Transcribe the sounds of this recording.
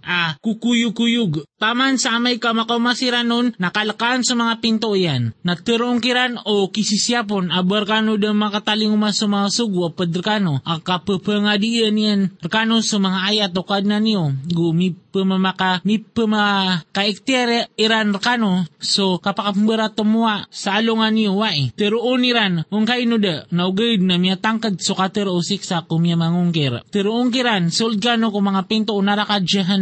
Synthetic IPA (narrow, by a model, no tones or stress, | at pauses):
akukujukujuɡt̪amansaːmaikamakaumasiɾanunːakaləkaːnsomaŋapint̪oianːat̪əɾoŋkiɾanokisisiap̬onabarkanodəmakat̪aliŋumasomaŋasuɡuapəd̪rkanoakapəpəŋadiənianrkanosomaŋaajat̪okadnanioɡumipəmamakamipəmakaik̚t̪iaɾiɾanrkanusokapakapəmbəɾat̪əmuasaːloŋaniowait̪əɾuuniɾanuŋkainudanauɡəid̪̚namiat̪aŋkəd̪̚sokat̪əɾusiksakumiamaŋuŋkirt̪əɾuuŋkiɾansuld̪̚kanukomaŋapint̪ounaɾakad͡ʒəɦan